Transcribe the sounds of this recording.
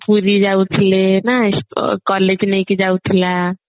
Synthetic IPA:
puɾid͡ʒawt̪ʰilenaskɔled͡ʒnəjked͡ʒawt̪ʰila

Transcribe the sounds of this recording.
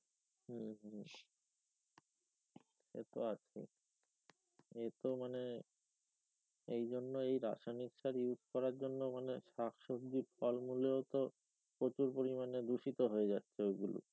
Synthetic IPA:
ɦ̩ɦ | ḛt̪oat͡ɕʰḛ | et̪omane | ejd͡ʑonːoejɾa̰ʃaniʃaɾjud͡ʑʱkɔɾaɾd͡ʑonːomaneʃakʰʃob̚d̪ifɔlmuleot̪o | pɾot͡ɕuɾpoɾimaned̪uʃit̪oɦoed͡ʑatːɕʰeoɡulo̰

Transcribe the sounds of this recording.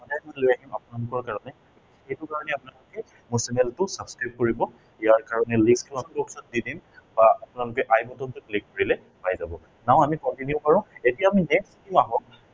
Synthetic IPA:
ɔdajmɔnlojakimapʊnalʊkɔɹkaɹɔnɛ | kitixejtʊkaɹɔnɛapʊnalʊkɛ | mɔsɛnɛltʊsabskɹajp̚koɹibɔ | ijaɹkaɹɔnɛlĩŋkskʰɔlanbɔksɔt̚didimbaapʊnalʊkɛʔajbɔtɔntʊplikːoɹilɛ | pajzabɔ | naʊ̃amikɔntinjʊpaɹɔ̃etijaːminetsitimaɦɔ̃

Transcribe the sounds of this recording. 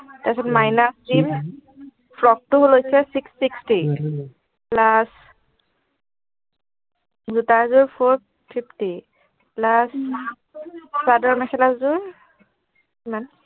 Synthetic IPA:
tasɔtmajnasdim | pʰlɔk̚tʊɦolojsɛsiksːiksti | plas | zutaɹzʊɹpʰoɹ | pʰipʰti | plas | sadɔɹmɛkʰɛlaszʊɹ | iman

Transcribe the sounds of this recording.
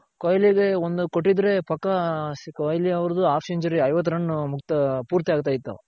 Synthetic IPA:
kojliɡeond̪ukoʈːid̪ɾe̞pɐkːɐkɔjliɐʋɐɾɐd̪uaːpʰseɲt͡ʃuɾiɐjʋɐt̪̬ːɐɾɐɳːumukt̪ɐpuːɾt̪ijaːɡ̚t̪aːjit̪ːṵ

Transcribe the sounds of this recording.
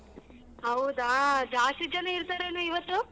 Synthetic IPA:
ɦɐwud̪aːd͡ʒaːʂid͡ʒɐneiɾt̪aːɾeːnuiʋɐt̪ːu

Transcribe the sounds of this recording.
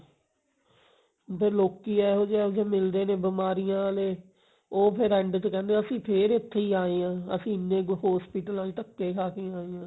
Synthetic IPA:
pʰɪɾloːkiːɛːɦoːd͡ʒɛːoːd͡ʒeːmɪld̪eːnẽːbəmaːɾɪjãːleː | oːpʰɪɾɛːɳɖt̪kɛ̃ːnd̪eːəsĩːpʰeːɾɪt̪ʰːeːiːaːeːãːəsĩːnẽːɦɔːspiːʈəlnaːliːʈ̪əkːeːkʰaːkeːaːeːãː

